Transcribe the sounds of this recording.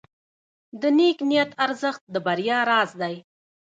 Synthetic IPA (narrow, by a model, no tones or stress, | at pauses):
d̪əneknijat̪aɾzəxt̪̚d̪əbaɾjɑɾɑzd̪aj